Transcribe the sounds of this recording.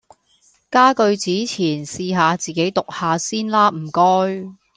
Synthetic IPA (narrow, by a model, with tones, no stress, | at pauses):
kaː˥kɵ˧ɥt͡siː˨˥t͡sʰiː˨˩nsiː˧ɦaː˨˧t͡siː˨ke˨˥jt̪ʊ˨k̚haː˨˧siː˥nlaː˥m̩˨˩kɔː˥j